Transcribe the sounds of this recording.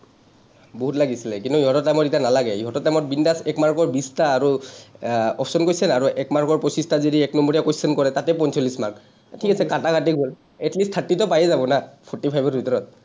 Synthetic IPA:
boɦutlaɡisilɛkintuiɦɔtɔtamɔtitanalaɡɛiɦɔtɔtamɔt̚bindasɛkmaɹkɔɹbistaːɹu | ɔpʰsɔnkojsɛnaɹuʔɛkmaɹkɔɹpɹɔsistazidiɛknɔmɔɹiakojsɛnkɔɹɛtatɛpɔnsɔlismaɹk | tʰikasɛkatakatikɦol | ɛtlistʰːatːitɔpajɛzabɔnapʰɔɹtipʰajbɔɹbʱitɔɹɔt̚

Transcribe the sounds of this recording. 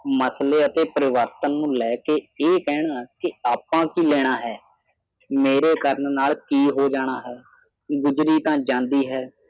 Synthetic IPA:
məsleːət̪eːpəɾɪʋəɾt̪ənːũːlɛːkeːeːkɛːɽ̃aːkɪaːpãːkiːlɛːɽ̃aːɦɛː | meːɾeːkəɾənnaːlkiːɦoːd͡ʒaːɽ̃aːɦɛː | ɡʊd͡ʒɾiːt̪ãːd͡ʒãːnd̪iːɦɛː

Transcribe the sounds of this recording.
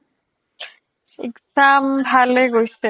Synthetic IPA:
ḭksambʱaleɡojse

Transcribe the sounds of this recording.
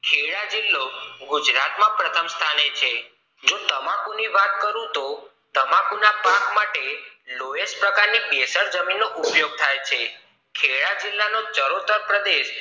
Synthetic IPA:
kʰeɭad͡ʒɪlːoɡud͡ʒɾat̪mãpɾət̪ʰəmst̪ʰanet͡ʃʰe | d͡ʒot̪əmakuniʋat̪̚kəɾũt̪o | t̪əmakunapaɡmaʈeloespɾəkaɾnibesəɾd͡ʒəminːoʔupjoɡ̚t̪ʰajt͡ʃʰe | kʰeɭad͡ʒɪlːanot͡ʃəɾot̪əɾpɾəd̪eʃ

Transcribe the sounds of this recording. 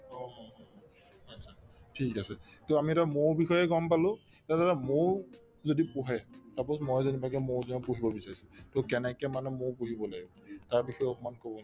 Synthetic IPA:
ɔɔ | atsʰatʰikasɛtoamiɛtamoɹbixɔjɛɡɔmpalʊ̃ | tadaɾamoɹ | zodipʊɦɛsapɔsmɔjzenibakɛmoɹzonɔpuɦibɔbisaɹisʊ̥tokɛnɛkɛmanɛmopuɦibɔlaɡɔ̃ | taɹpixɔjɔpɔmankobɔn

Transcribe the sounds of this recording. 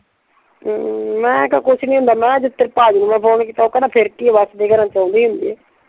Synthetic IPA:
mɛ̃ːkakʊʃnĩːɦʊ̃nd̪aːmɛ̃ːd͡ʒɪt̪ːəɾpaːd͡ʒnũːmɛ̃ːpʰoːɳkiːt̪aːoːkənãːpʰɪɾkiːʋaːsd̪eːɡəɾãːt͡ʃaːũnd̪iːɦʊnd̪ḭːɛː

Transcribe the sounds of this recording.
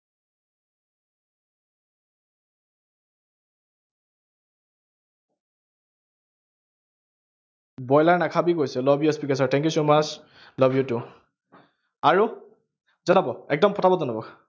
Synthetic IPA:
bɔjlaɹnakʰabikojsɛlɔbjuspikɛs̬ɔɹtʰɛ̃ŋkjusomat͡ʃ | lɔbjutu | aɹu | zɔnabɔɛk̚dɔmpʰɔtʰabɔzɔnɔbɔk

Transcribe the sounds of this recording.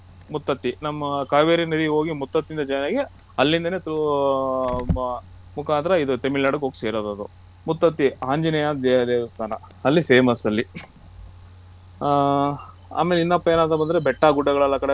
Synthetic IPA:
mut̪ːɐt̪ːinɐmːɐkaːʋeːɾinɐd̪iɦo̞ːɡimut̪ːɐt̪ːind̪ɐd͡ʒɐjnaːɡe | ɐlːind̪ɐnet̪u | mukʰaːnt̪ɐɾɐid̪ut̪emilːaːɖɐkɦoːɡseːɾoːd̪ɐd̪ṵ | mut̪ːɐt̪ːiaːɲd͡ʒinɐjad̪eːɐd̪eːʋɐst̪ʰaːnɐɐlːiseːmɐsɐlːi | a̰ːmelinːɐpːɐeːnaːnt̪ɐbɐnd̪ɐɾebɛʈːaɡuɖːɐɡɐɭɐlːɐkɐɽe

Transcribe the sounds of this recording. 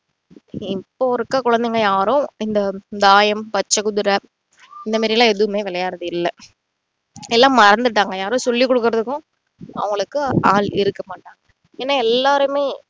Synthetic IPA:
ɪpːoːɔɾɯkːaːkʊɻɐnd̪ɛŋɡɐjaːɾʊ̃ɪnd̪ɐd̪aːjɐmpɐt͡ʃːɐkʊðɯɾɐ | ɪnd̪ɐmaːɾɪlãːɛðɯʋɯmeːʋɪlɐjaːɾɐðɯɪlːɐ | ɛlːãːmɐɾɐnd̪ɯʈ̬ːaːŋɡɐjaːɾʊ̃sɔlːikːɔɽɯk̬ːɯɾɐðɯkːʊ̃ | ɐ̰ʋɐŋɡɐɭɯkːɯa̰ːlɪ̰ɾɯkːɐmaːʈːãːŋɡɐ | eːnːaːɛlːaːɾɯmeː

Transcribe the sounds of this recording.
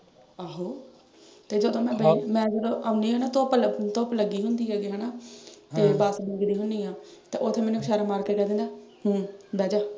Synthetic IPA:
aːɦoː | t̪eːd͡ʒəd̪õːmɛ̃ːbəimɛ̃ːd͡ʒəd̪õːʔaːʊnd̪iːɦɛːnaːt̪oːplət̪oːpləɡiːɦʊnd̪iːɦɛːɡiːɦɛːnaːteːbaːsbəɡd̪iːɦʊnd̪iːãːt̪eːʔot̪ʰːeːmɛ̃ːnũːʃaːɾaːmaːɾkekɛːd̪ɪnd̪aːɦːbɛːd͡ʒaː

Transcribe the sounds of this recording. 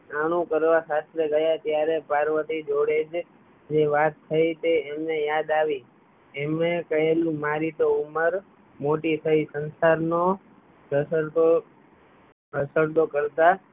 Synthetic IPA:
aɽ̃ũkəɾʋasast̪ɾəɡəjat̪jaɾepaɾʋət̪id͡ʒoɽed͡ʒ | d͡ʒeʋat̪ʰːəit̪eːmnejad̪aʋi | emnekəelũmaɾit̪ouməɾ | moʈit̪ʰəisənsaɾno | ɾəsəɾd̪o | ɾəsəɾd̪okəɾt̪a

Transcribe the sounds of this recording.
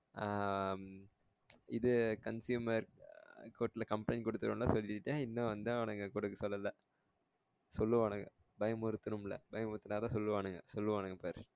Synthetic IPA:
ɪðɯkɐnsjuːmɐɾkoːʈːɪlɐkɐmplɛɪnkɔɽɯt̪ːɯɾɯ̰mlaːsɔlːɪʈːʈːãːɪnːɐ̃ʋɐnd̪ãːɐnɐŋɡɐkʊɽɐkːɯsɔlːɐlːɐ | sɔlːɯʋaːnɯŋɡɐ | bɐjɐmʊɾɯt̪ːɯnɯmlɐ̰bɐjɐmʊɾɯt̪ːɯnaːt̪ãːsɔlːɯʋaːɳɯŋɡɐsɔlːɯʋaːnɯŋɡɐpaːɾɯ

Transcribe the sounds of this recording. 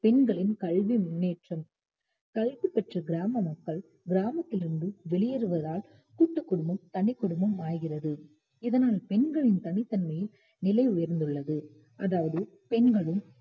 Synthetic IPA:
pɛnɡɐɭɪnkɐɭʋimneːʈrɐm | kɐɻʋipɛʈrɐɡɪɾaːmɐmɐkːɐɭ | ɡɪɾaːmɐt̪ːɪlɪɾɯnd̪ɯʋɛɭɪjɐɾɯʋɐðaːl | kuːʈːɯkːʊɽɯmɐmt̪ɐɳɪkːʊɽɯmɐmaːjɣɪrɐðɯ | ɪðɐnaːlpɛnɡɐɭɪnt̪ɐɳɪt̪ːɐnmɐjɪl | nɪlɐɪʊjɐɾnd̪ɯɭːɐðɯ | ʔɐðaːʋɐðɯ | pɛnɡɐɭɯm

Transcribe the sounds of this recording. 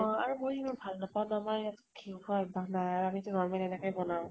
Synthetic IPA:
ɔ̃aɹumojimanbʱalnɔpawnɔamajɛtkʰiwpʰaɛbʱaɡnajaɹamitunɔɹmalɛnɛkɔjbɔnaʊ̃

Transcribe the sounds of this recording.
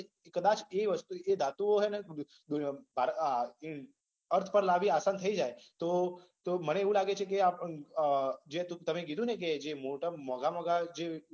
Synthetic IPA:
kəd̪at͡ʃeʋəst̪ued̪at̪uoɦenə | bʱaɾ | əɾt̪ʰpəɾlaʋiasant̪ʰəid͡ʒaet̪o | t̪oməɽeeʋũlaɡet͡ʃʰekeapə | d͡ʒet̪ut̪əmeɡid̪ʱũnek̬ed͡ʒemoʈamɔɡamɔɡad͡ʒe

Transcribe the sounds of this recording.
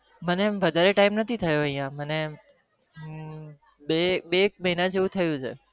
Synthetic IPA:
məneʋəd̪ʱaɾeʈaimnət̪ʰit̪ʰəjoəɦĩjãməne | ɓeɓek̚məɦinət̪eʋũt̪ʰəjũt͡ʃʰḛ

